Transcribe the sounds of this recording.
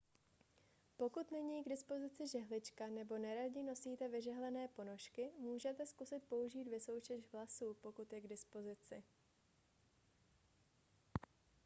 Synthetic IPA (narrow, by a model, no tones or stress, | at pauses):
po̞kut̪nɛɲiːɡdɪspo̞zɪt͡sɪʒɛɦlɪt͡ʃkanɛbo̞nɛɾaɟɪno̞siːt̪ɛvɪʒɛɦlɛnɛːpo̞no̞ʃkɪmuːʒɛt̪ɛskusɪt̪̚po̞uʒiːt̪vɪso̞wt͡ʃɛʃɦlasuːpo̞kut̪jɛɡdɪspo̞zɪt͡sɪ